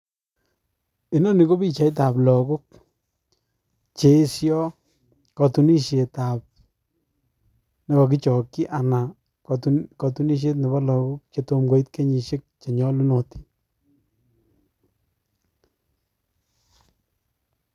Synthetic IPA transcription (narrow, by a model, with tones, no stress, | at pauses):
i˨no˦ni˨ko˦bi˦t͡ʃa˨˦jt̬a˨plɔ˨kʊ˦k̚ | t͡ʃe˨˦sjɔ˦ | kɔ˨tu˨ni˦ʃje˨t̪a˨p̚ | ne˦kɔ˨k̬i˦t͡ʃɔ˨kːi˦ʔa˨na˨ | ktkɔ˨tu˦ni˦ʃ̬e˦tnɪ˨ba˦lɔ˨kʊ˦k̚t͡ʃe˨to˧mɡo˨˦i˦t̪̚ke˦ɲi˨ʃe˦k̚t͡ʃe˨ɲɔ˦lu˦no˨ti̥˦